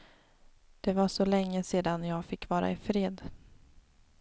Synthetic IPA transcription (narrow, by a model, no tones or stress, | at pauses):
d̪̥ɛvaʂɔlɛŋːəseːd̪anjɑːɡfɪkːvɑːɾa̰ɪfɾeːd̪